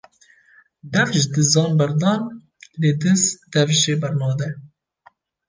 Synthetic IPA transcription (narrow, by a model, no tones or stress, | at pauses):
d̪ɛvʒd̪ɨzɑːnbɛɾd̪ɑːn | leːd̪ɨzd̪ɛvʒeːbɛɾnɑːd̪ɛ